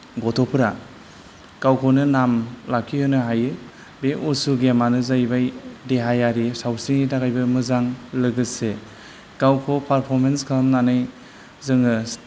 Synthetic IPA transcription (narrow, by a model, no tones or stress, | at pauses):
ɡɔtʰɔpʰɯɾa | kawkʰonɯnamlap̚kʰihɯnɯɦajɯ | beʔusuɡemanɯzajbajdeɦajaɾisawsinitʰaɡajbɯmɯzaŋlɯɡɯse | kawkʰopʰaɾpʰɔɾmenskʰamnanɯj | zɯŋɯ